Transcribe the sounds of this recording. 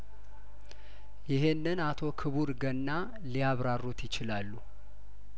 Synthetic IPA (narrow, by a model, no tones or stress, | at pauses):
jɪɦe̞nːɨnat̪ʰo̞kʰɨβuɾɡənːa | lijaβɾarːut̪jɪt͡ʃɪlalːu